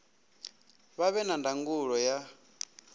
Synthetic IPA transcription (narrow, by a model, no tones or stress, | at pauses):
βaβɛnandaŋɡuɺɔja